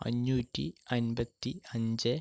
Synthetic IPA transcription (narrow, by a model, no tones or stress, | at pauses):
ɐ̰ɲːuːtʲːiɐnbɐt̪ːiɐɲd͡ʑɨ